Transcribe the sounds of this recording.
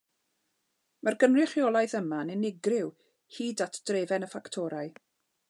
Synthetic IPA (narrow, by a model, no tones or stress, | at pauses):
marɡənrɪχjɔlˠajθəmanɪnɪɡrɪw | hiːdatʰd̥reːvɛnəfaktʰɔɾaɨ